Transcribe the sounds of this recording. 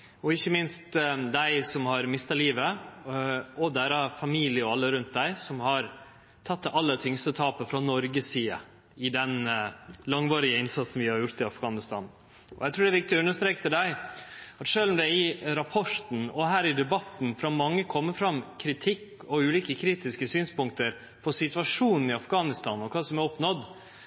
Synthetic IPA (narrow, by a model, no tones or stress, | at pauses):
ɔɪçːəmɪnst̪d̪æɪsɔmhɑɾmɪst̪ɑliːʋə | ɔd̪æːɾɑfɑmiːlɪəɔɑlːəɾʉnt̪̚d̪æɪsɔmhɑɾ | t̪ʰɑt̪ːʔɑlːət̪ʰʏŋst̪ət̪ʰɑːpəfɾɑnɔɾɡəsiːə̰ | ɪd̪ɛn | lɑŋʋɑːɾɪəɪnsɑt̪sn̩ʋɪhɑɾjʊɾt̪ɪɑfɡ̥ɑːnɪst̪ɑ̰n | ɔjæɪt̪ɾuːɖ̪ɛæʋɪkt̪ɪɔʉnːəʂt̪ɾeːkt̪ʰɪld̪æɪɑt̪ʂøːlm̩d̪ɛɪɾɑpʰɔɾt̪n̩ɔɦæːɾɪd̪ɛbɑt̪n̩fɾɑmɑŋːəkʰɔmːəfɾɑmkʰɾɪt̪ʰɪkːɔʉːliːkəkʰɾiːt̪ɪskəsyːnspʊŋkt̪əɾ | pʰɔsɪt̪ʉʋɑʂuːnn̩ɪɑfɡɑːnɪst̪ɑːnɔkʰɑːsɔmɛɾɔpnɔd̪